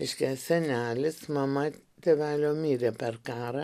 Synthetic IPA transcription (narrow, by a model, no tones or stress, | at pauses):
ɪʃʲkʲæsʲɛnʲæːlʲɪsmɐmɐ | t̪ʲeːʋʲæːlʲoːmʲiːɾʲeːpʲɛrkɑːɾɐ